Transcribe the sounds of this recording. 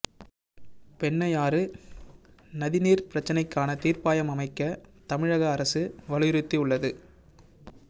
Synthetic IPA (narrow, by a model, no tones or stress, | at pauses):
pɛɳːɐjaːɾɯ | nɐðɪniːɾpɪɾɐt͡ʃːɐnɐɪkːaːnɐt̪iːrpaːjɐmɐmɐɪkːɐt̪ɐmɪɻɐɣɐːɾɐsɯʋɐɻɯjɪɾɯt̪ːiʊɭːɐðɯ